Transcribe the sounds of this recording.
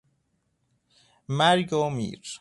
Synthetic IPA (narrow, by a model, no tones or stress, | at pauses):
mæɾɡomḭːɾ